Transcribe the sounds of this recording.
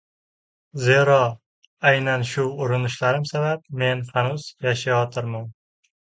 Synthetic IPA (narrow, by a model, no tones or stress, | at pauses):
zeɾɒ | ajnanʃʊʊɾɪnɪʃlaɾɪmsabap̚me̞nfanʊz̥jaʃajɒt̪ʰɪɾman